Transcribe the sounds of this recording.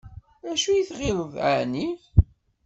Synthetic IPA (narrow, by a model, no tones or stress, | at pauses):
æʃujiθʁɪɾˤəðʕa̰ni